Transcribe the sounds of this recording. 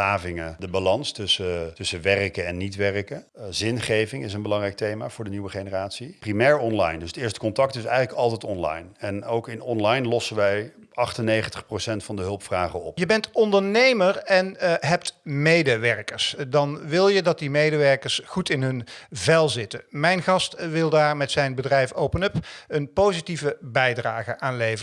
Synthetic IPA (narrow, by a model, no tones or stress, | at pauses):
aːvɪŋədəbalɑnstɵsətɵsəʋɛrkəɛnːitʋɛrkə | zɪnχejvɪŋɪs̬ənbəlɑŋrɛjk̚tejmaːv̥ʊːɹdəniʋəχenəraːtsiprimɛːɹɔnlɑjndɵsətɪːɹstə̥kɔntɑk̚tɪsɛjələkɑlˠtɛjtɔnlɑ̰jnɛnowkɪnɔnlɑjnlɔsənʋɛjɑχtənejχəntəχprosɛntfɑndəɦɵlˠpfraːχəɔ̰pjəbɛntɔndəɹnejməɹɛnɦɛp̚tmejdəʋɛɹkəɹsdɑnʋɪlˠjədɑt̚dimejdəʋɛɹkəɹsχutɪnɦɵnvɛlˠzɪtənmɛjnχɑstʋɪlˠdaːɹmɛtsɛjnbədrɛjfowpənɵpənpowzitivəbɛjdraːχəʔaːnlejvəə